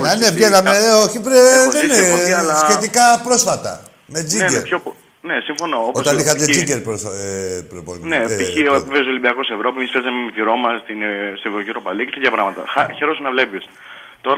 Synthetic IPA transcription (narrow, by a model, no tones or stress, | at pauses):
nɐnevʝenɐmeoçipɾeðenɐsxe̞t̪ikɐpɾo̞sfɐt̪ɐ̰ | me̞d͡zinɟeɾpço | nesiɱfo̞noopot̪ɐnixɐt̪ed͡ziɲɟeɾpopɾopo̰neives̬olimbiɐkosevɾo̞piemispezɐmemmitiɾo̞mɐst̪inst̪evɾociɾopɐlikest̪et̪çɐpɾɐɣmɐt̪ɐ̰xɐçeɾosunɐvlepis | t̪o̞ɾɐ